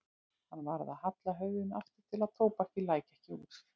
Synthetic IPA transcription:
hanːvaɾða̰ðhat̪laɦœɥðɪnaft̪ɪ̥t̪ʰɪlað̥t̪ʰoːwpaɛhcɪlaːjcaɛhcɪṵːt̪

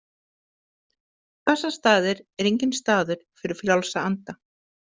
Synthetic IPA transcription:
kɛsːast̪aːðɪɾɛɾejɲcɪnst̪aːðʏɾ̥fɪɾɪɾfljawlsaant̪a

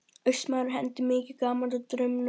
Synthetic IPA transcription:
œɥsmawɾʏɦɛnt̪ɪmɪːcɪkaːmalt̪at̪ɾʏmn

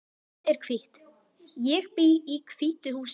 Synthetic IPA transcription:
ɛɾ̥kʰvɪht̪ | jɛɣpiikʰv̥iht̪ʏhuːs

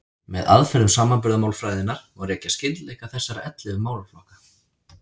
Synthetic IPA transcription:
mɛða̰ðfɛɾʏmsaːmanpʏɾðamaːwlfɾaːjðɪnːaɾ̥ɔɣrɛːcascɪt̪lɛjkaθɛsːaɾaʔɛt̪lɪvʏmaːwlaflɔhkḁ

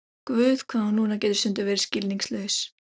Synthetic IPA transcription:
kvʏːð̥kʰvaːðanuːnacɛːt̪ɪ̥sʏnt̪ʏvɛːɾɪɾ̥scɪlniŋslœɥs

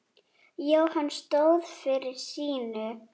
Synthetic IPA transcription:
joːwhanːst̪oːwðfɪɾɪɾ̥siːnʏ

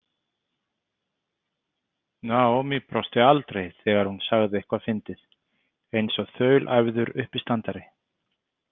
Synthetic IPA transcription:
nawmipɾɔst̪ɪalt̪ɾejθɛːɣaɾhunsaɣðɪɛhkvaðfɪnt̪ɪð | ejnsɔθœːɥlʔajvðʏɾʏhpɪst̪ant̪aɾɪ

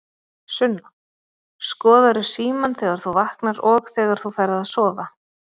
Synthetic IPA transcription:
sʏnːa | skɔːðaɾʏ̥siːmanθɛːɣaɾ̥θuvahknaɾɔɣθɛːɣaɾ̥θufaːjɾðɪaðsɔːva

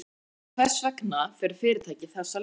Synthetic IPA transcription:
kʰvɛsvɛknafɛːɾʏɾ̥fɪːɾɪt̪ʰaːjcɪθɛsːa

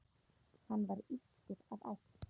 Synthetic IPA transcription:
hanːvaɾisc̪ɪɾava̰wh̪

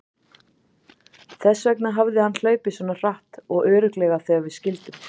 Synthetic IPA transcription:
θɛsːvɛknaɦavðɪhanːl̥œːɥpɪsvɔnar̥aht̪ɔɣœːɾʏklɛːɣaθɛavɪðscɪlt̪ʏm

